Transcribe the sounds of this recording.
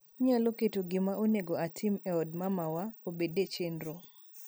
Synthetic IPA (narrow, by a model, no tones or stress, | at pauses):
ɲaloketoɡɪmaʔoneɡoatʰɪmɛɔdmamawaobedet͡ʃenɾo